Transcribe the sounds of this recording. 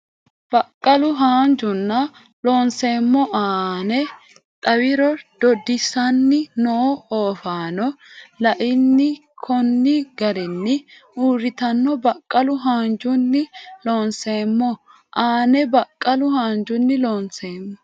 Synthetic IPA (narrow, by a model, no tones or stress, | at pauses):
b̥ɐkʼːɐlʊɦaːnd͡ʒʊnːɐ | loːnse̞ːmːɔʔaːnɛ | t̪ʼɐwɪɾɔd̪̥ɔd̪ɪsɐnːɪnooːfaːnɔlɐʔɪnːɪkʰɔnːɪɡɐɾɪnːɪ | uːɾɪt̪ɐnːɔbɐkʼːɐlʊɦaːnd͡ʒʊnːɪloːnse̞ːmːɔ | ʔaːnɛbɐkʼːɐlʊhaːnd͡ʒʊnːɪloːnse̞ːmːɔ